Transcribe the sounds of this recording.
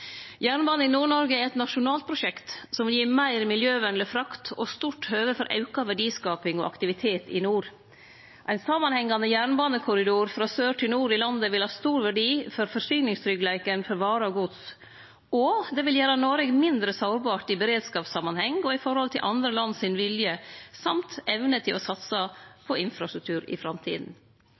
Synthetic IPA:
jæːɳbɑːnəɪnuːɳɔɾɡəæɾɛt̪nɑʂʊnɑːlt̪̚pʰɾʊʃɛkt̪sɔmʋɪljiːɾmæɪɾmɪljøːʋɛnləfɾɑkt̪ɔ̰st̪uːʈhøːʋəfɔɾʔɑ̰ʉkɑʋæɖiːskɑːpɪŋɔ̰ʔɑ̰kt̪ɪʋɪt̪ʰeːt̪ɪ̰nuːɾ | ʔæɪnsɑmɑnhɛŋːɑnəjæːɳbɑːnəkʰʊɾɪd̪uːɾfɾɑːsøːʈʰɪlnuːɾɪlɑnd̪əʋɪlhɑːst̪uːɾʋæɖiːfɔɾfɔɾsyːnɪŋst̪ʰɾʏɡlæɪkənfɔɾʋɑːɾəɔɡʊd̪s | ɔd̪ɛʋɪljæːɾənoɾɛɡmɪnd̪ɾəsɑʊɾbɑːʈɪbəɾeːd̪skɑːpsɑmɑnhɛŋɔɪfɔɾhɔlt̪ʰɪlʔɑnd̪ɾəlɑnːsɪnʋɪljəsɑmt̪ɛʋnət̪ʰɪlɔsɑt̪sɑpʰɔɪnfɾɑst̪ɾʉk̚t̪ʰʉːɾɪ̰fɾɑmt̪ʰḭːd̪n̩

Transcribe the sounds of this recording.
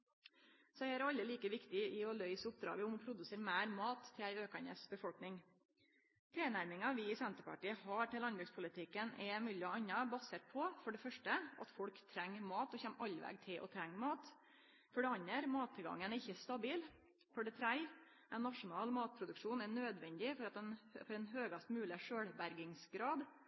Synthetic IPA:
sɔæɪæɾɑlːəliːkəʋɪkt̪ɪɪɔlœʏsəʊp̚d̪ɾɑ̰ːɡəʊmɔpʰɾʊd̪ʉseːɾmæːɾmɑːt̪ʰːɪæɪøːkɑnə̰sbəfɔlknɪŋ | t̪ʰɾeːnæɾmɪŋɑʋɪɪsɛnt̪əɾpʰɑ̰ʈiːəhɑːʈɪlɑnbɾʉːkspʰʊlɪt̪ʰɪkːənʔɛmyːlɔɑnɑbɑseːt̪̚pʰɔfɔɖɛfœʂʈəʔɑ̰t̪fɔɽkt̪ʰɾɛŋːmɑːt̪ɔçɛmʔɑlːʋɛ̰ɡt̪ʰɪlʔɔ̰t̪ʰɾɛŋːmɑːt̪ | fɔɖɛɑɲːəɾmɑːt̪ʰːɪlɡɑ̰ŋːənæɾɪçːəst̪ɑbiːl | fɔɖɛt̪ʰɾæɪ | æɪnːɑʂʊnɑːlmɑːt̪̚pʰɾʊd̪ʉkʂuːnɛnøːd̪ʋɛnd̪ɪfɔɾɑt̪ɛnfɔɖɛnɦøːɡɑst̪mʉːlɪʂøːɽbæɾɡɪŋsɡɾɑːd̪

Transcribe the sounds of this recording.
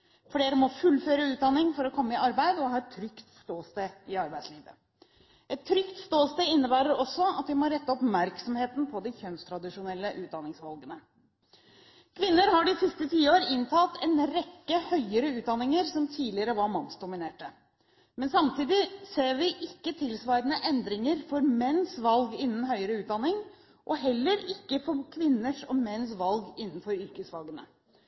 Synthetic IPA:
fleːɾəmɔfʉlːføːɾəʉːt̪̚d̪ɑnːɪŋfɔɾɔkʰɔmːəɪʔɑɾbæɪd̪ɔhɑːɛt̪ʰːɾʏkt̪st̪oːst̪eːɪɑɾbæɪd̪sliːʋə̰ | ʔɛt̪ʰːɾʏkt̪st̪oːst̪eːɪnːəbæːɾəɾɔsɔɑt̪ʋɪmɔɾɛt̪ːəɔpmæɾksɔmheːt̪n̩pʰɔd̪ɪçœnst̪ʰɾɑd̪ɪʂʊnɛlːəʔʉːd̪ɑnɪŋsʋɑlɡənə | kʰʋɪnːəɾhɑɖɪsɪst̪ət̪ʰiːəoːɾəɪnt̪ʰɑːt̪ʰɛnɾɛkːəhœʏəɾəʉːt̪̚d̪ɑnːɪŋəɾsɔmt̪ʰiːlɪəɾəʋɑɾmɑnsd̪ʊmɪneːʈə | mɛnsɑmt̪ʰiːd̪ɪseːɾʋɪʔɪkːət̪ʰɪlsʋɑɪɾənəʔɛnd̪ɾɪŋəɾfɔɾmɛnːsʋɑlɡɪnːn̩hœʏəɾəʉːt̪̚d̪ɑnɪŋ | ʔɔɦɛlːəɾɪkːəfɔɾkʰʋɪnːəʂɔmɛnsʋɑlɡɪnːənfɔɾʏɾkəsʋɑlɡənə̰

